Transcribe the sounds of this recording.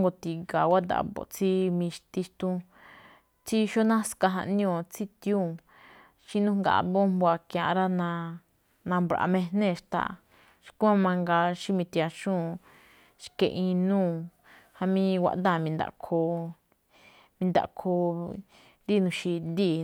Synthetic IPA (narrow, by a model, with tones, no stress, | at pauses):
ŋɡo˧t̪i˧ɡa˨wa˦d̪a̰˧˨bo̰˧˨t͡si˦mĩ˧ʃt̪i˧ʃt̪ũ˦ | t͡si˦ʃo˦nã˦ska˧ɦã̰˧ʔnĩ˦õ˧˨t͡si˦t̪jũ˦˨ | ʃĩ˦nũ˦ŋɡa̰˧˨˧βõ˦mbo˧a˧kjã˧ɾa˦nã˧ | nã˧mbɾa̰˧mẽ˧n̥ẽ˦˧˨ʃt̪a̰˧˨ | ʃi̥˧kũ˦ã˦˧mã˧ŋɡa˧ʃĩ˦mĩ˧t̪i˧a˧ʃũ˦˨ | ʃkḛ̃˧ʔĩ˧nũː˦˨ | ha˧mĩ˧wʷa̰˧ʔd̪ã˦˧˨mĩ˧nd̪a̰˧˨kʰo˧ | mĩ˧nd̪a̰˧kʰo˧ | d̪i˦˧nũ˧ʃi˧nd̪i˦˧˨